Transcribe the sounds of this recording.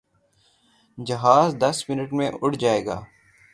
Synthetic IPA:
d͡ʒɐɦaːzd̪ɐsmɪnəʈmẽʔʊɽd͡ʒaːeːɡa̰ː

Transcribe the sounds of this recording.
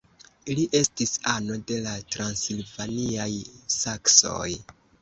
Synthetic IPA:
liʔe̞stisano̞de̞latɾansilvaniajsakso̞̰j

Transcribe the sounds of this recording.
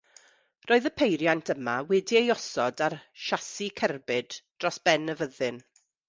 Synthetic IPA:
rʔoːɨðəpʰejɾjantʰəmawɛdiejɔsɔdarʃasikʰɛrbɪdd̥rɔsb̥ɛnːəvəðɨn

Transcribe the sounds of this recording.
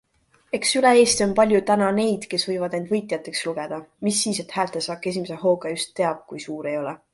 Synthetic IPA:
e̞ksylee̞ːst̪io̞npɑlʲjut̪ænɑne̞jd̪̥ke̞svɤjvɑd̪̥nend̪vɤ̞jt̪ˑjɑt̪ːˑe̞ksluɡ̥e̞d̪̥ɑmisːiːse̞t̪ˑhæːlt̪ˑesɑːkːˑe̞s̬ʲimese̞ɦo̞ːɡ̥ɑjust̪ːe̞ɑb̥̚kujsuːɾe̞jo̞lɛ

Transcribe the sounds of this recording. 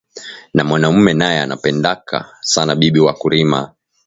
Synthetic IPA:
namwanam̩mɛnajɛa̰na̰pɛndaka̰sanaɓiɓiwakuɾima̰

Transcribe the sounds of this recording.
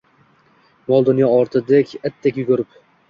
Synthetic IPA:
mɒlˠd̪ʊnjɒɒɾt̪ʰɪd̪ekʲat̪ʰːekʲjʊɡʊɾɪp

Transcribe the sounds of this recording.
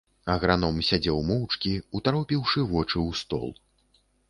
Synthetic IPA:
ɐɣɾanɔmsʲad͡zʲɛwmɔwt͡ʂkʲiut̪aɾɔpʲiwʂɨvɔt͡ʂɨwst̪ɔ̰lˠ

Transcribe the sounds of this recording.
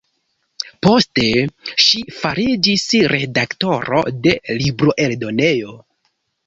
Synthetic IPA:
po̞ste̞ʃifaɾid͡ʒisɾe̞dakto̞ɾo̞̰de̞libɾo̞ʔe̞ldo̞ne̞jo̞

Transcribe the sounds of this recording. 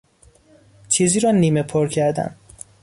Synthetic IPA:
t͡ʃʰiːziːɾɒːniːmepʰoɾcʰæɾd̪æ̰n

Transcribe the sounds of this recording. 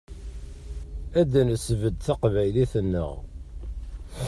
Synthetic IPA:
æd̪ænəsvəd̪θaqvæjliθənːə̰ʁ

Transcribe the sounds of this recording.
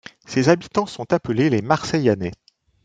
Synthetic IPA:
sezabit̪ɑ̃sɔ̃t̪apəlelemaʁsɛjane

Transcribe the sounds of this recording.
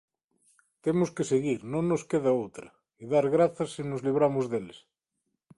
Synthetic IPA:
t̪emoskeseɣiɾnõŋːoskeðaowt̪ɾɐ | iðaɾɣɾaθɐsːinozliβ̞ɾamozðeles

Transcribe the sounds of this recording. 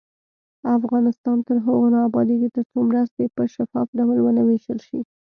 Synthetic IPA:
afɣɑnɪst̪ɑnt̪əɾɦəɣonɑːbɑd̪iɡ̪et̪əɾt͡somɾəst̪epəʃafɑfɖawəlwənaweʃəlʃi

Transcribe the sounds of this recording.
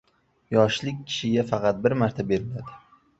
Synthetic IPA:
jɒʃlɪkʲːʰɪ̥ʃɪɡʲafɑqɑt̪̚bɪɾmaɾt̪ʰabe̞ɾɪlad̪ɪ

